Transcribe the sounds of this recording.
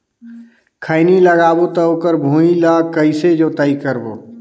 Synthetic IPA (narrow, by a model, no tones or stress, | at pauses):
kʰəɪniləɡaːbot̪əokəɾbʱũːilaːkəɪsed͡ʒoːt̪əikəɾboː